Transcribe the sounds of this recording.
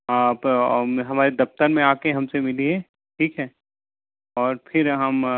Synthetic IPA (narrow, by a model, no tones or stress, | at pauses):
aːpɦɐmaːɾed̪ɐft̪əɾmẽaːkeɦɐmsemɪliɦẽ | ʈʰiːkɦɛː | ɔːɾpʰɪɾɦɐm